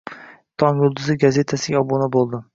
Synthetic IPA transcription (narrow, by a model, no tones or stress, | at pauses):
t̪ʰɒŋjʊlˠd̪ʊzɪɡaze̞t̪ʰasɪɡʲaɒbonabolˠd̪ɪ